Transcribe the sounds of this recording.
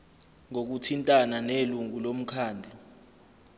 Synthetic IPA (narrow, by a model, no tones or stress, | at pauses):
ŋok̬utʰintʼananeluŋulom̩kʰaːndʱɛ